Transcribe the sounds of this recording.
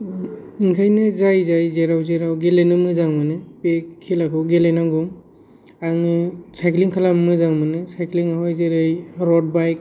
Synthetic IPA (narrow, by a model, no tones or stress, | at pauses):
iŋkʰajnezajzajzeɾawzeɾawɡelejnɯmɯzaŋmanɯpekkʰːilakʰɯɡelejnaɡɯm | aŋɯsajkliŋkʰalammɯzaŋmanɯsajkliŋaɦɔjzeɾɯjɾɔd̚bajk̚